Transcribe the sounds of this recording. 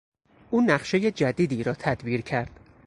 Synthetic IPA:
ʔuːnæχʃe̞je̞d͡ʒæd̪iːd̪iːɾɒːt̪ʰæd̪biːɾcʰæɾd̪̥

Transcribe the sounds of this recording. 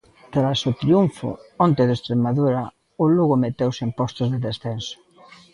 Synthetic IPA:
t̪ɾasʊt̪ɾiuɱfʊ̰ɔnt̪eðest̪ɾemaðuɾa | ʊluɣʊmet̪ewsempɔst̪ʊzðeðesθensʊ̥

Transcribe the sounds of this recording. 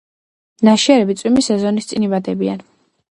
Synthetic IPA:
naʃiaɾɛbit̪sʼwimisɛzɔnist̪sʼinibad̪ɛbia̰n

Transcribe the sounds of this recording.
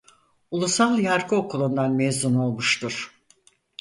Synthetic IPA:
ulˠusalˠjaɾkɯo̞kulˠund̪anmezuno̞lˠmuʃt̪ʰuɾ̥

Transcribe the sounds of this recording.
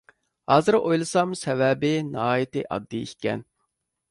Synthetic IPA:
hɑːzɨɾojlˠɨsɑmsɛvɛbɪnɑɦɑːjit̪ɪʔɑ̰d̪ːɨikʲɛ̰n

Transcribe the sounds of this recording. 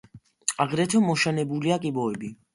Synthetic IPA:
aɡɾɛt̪ʰɔmɔʃanɛbuliakʼibɔɛbi

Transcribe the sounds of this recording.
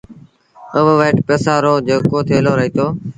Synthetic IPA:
əʋʋəːɪʈpeːsaːɾoːd͡ʒəɡkoːt̪ʰeːloːɾəɦiːt̪ʰoː

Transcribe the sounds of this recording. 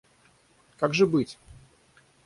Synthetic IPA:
kaɡʐɨbɨtʲ

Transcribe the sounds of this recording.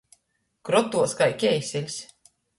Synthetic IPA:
kɾɔt̪uɔskajkʲɛjsʲilʲsʲ

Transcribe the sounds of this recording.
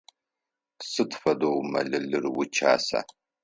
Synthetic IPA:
sɨtʰfɐdowmɐ̰ɮɨɮɨrwʊt͡ʃʰa̰ːsa̰ː

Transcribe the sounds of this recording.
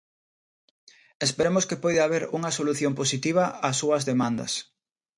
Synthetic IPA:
espeɾemoʊskɪpɔjðaβ̞eɾuŋɐsoluθjomposit̪iβ̞ɐʔasuɐzðemãnd̪ɐ̰s

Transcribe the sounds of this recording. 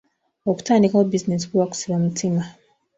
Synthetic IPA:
oku̥taːndikaobiznes̬i̥kuwaku̥siβamutʰima

